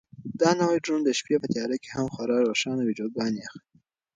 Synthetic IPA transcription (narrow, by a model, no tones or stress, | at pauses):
d̪̥ɑnawajɖund̪əʃpjepət̪ɪjɑɾakehamxwaɾɑɾwoʃɑnawɪd͡ʒod̪̚ɡɑniaxli